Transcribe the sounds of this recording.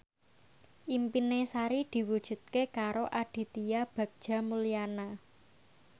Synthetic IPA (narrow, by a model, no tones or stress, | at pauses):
ʔimpinesaɾid̪̥i̤wud̥ʒ̥ṳt̪̚kekaɾoʔaɖ̥i̤t̪ijab̥ä̤k̚d̥ʒ̥a̤muliana